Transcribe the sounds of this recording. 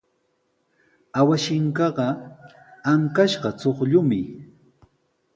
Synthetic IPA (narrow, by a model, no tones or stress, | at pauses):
awaʃɪŋkɑɢɑ | aŋkaʃɢɑt͡soχʎʊmɪ